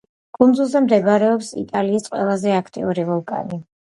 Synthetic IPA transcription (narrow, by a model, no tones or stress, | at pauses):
ɡ̥ʼund̪zulˠzɛmd̪ɛbaɾɛɔpsḭt̪ʼaliːsqʼwɛ̰lˠazɛakʰt̪ʼḭuɾivɔlˠkʼa̰ni